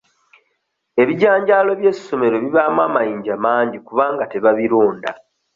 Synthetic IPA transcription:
e̞βiɟaːɲɟaːlo̞βje̞sːo̞me̞ɾo̞βiβaːmwaːmajiːɲɟamaːɲɟikuβaːŋɡateβaβiɾuːnda̰

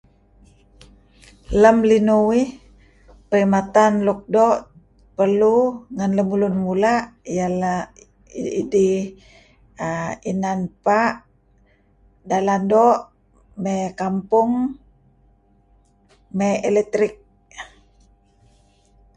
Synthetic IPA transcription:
ləmlinuwih | pəɾimat̪anluk̚dɔʔ | pərluŋanləmulunmulaʔjala | ḭdi | inanpaʔ | dalandɔʔ | mɛkampuŋ | mɛɛlɛk̚t̪ɾik̚

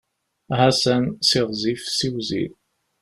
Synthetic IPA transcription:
hæsænsiʁzifsiwzḭɾ

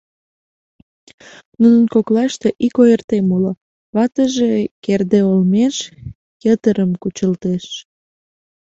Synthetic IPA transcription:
nunənkoklɑʃt̪eʔikojərt̪emulo | βɑt̪əʒekerd̪eolmeʃ | kət̪əɾəmkut͡ɕəlt̪eʃ

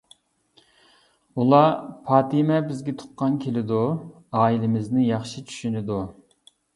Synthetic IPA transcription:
ulˠɑpʰɑːt̪ʰɪmɛbɪzɡʲɛt̪ʰʊ̥qːɑnkʲʰelɪd̪u | ɑːilɪmɪznɪjɑχʃit͡ʃʰy̥ʃynɪd̪u

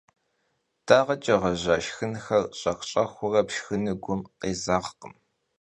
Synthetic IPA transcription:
d̥ʰaːʁɐt͡ʃʼɐʁɐʑɐʃxɨnxɐrɕʼɐqʷɕʼɐxʷʊrɐpʃxɨnɨɡʷʊmqeːzaːʁqəm

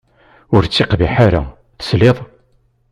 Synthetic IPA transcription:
ʊɾt͡sːeqbiħaɾa̰ | θsleðˤ

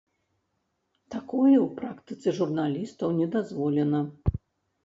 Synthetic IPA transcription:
t̪akɔjɛwpɾakt̪ɨ̥t̪sɛʐurnalʲist̪ɐwnʲɛd̪azvɔlʲɛnɐ

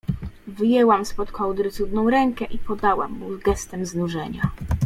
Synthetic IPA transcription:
vɘjɛwamspɔt̪kɔwd̪ɾɘt̪sud̪nɔ̃w̃ɾɛŋkɛʔipɔd̪awa̰mːuzɡɛst̪ɛmznuʐɛɲa

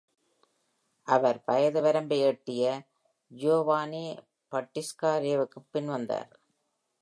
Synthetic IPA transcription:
ʔɐʋɐɾpɐjɐðɐʋɐɾɐmbɛjɛʈːɪjɐ | joːʋaːneː | pɐʈːɪskaːɾeːʋɯkːɯpːɪnʋɐnd̪a̰ːɾ

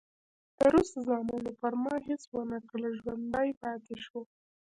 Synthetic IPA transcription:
t̪əɾust̪azɑmɑnopaɾmɑɦɪswənaklaʒwand̪ajpɑt̪eʃwo

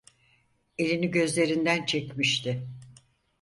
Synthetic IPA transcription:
e̞lʲiniɟø̞zlʲe̞ɾind̪ænt͡ʃʰɛcmiʃt̪ʰɪ

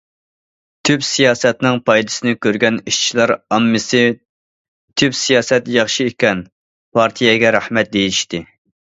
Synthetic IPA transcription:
t̪ʰypsijɑːsɛt̪nɪŋpʰɑjd̪ɨ̥sɨnɪkʲøɾɡʲɛniʃt͡ʃʰilˠɑɾɑmːɨsɪ | t̪ʰypsijɑːsɛt̪jɑχʃiekʲɛn | pʰɑɾt̪ʰijɛɡʲɛɾæhmɛt̪̚d̪ejiiʃt̪ɪ

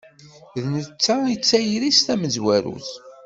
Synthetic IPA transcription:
ðnət͡sːait͡sːæjɾist̪æməzwæɾṵθ

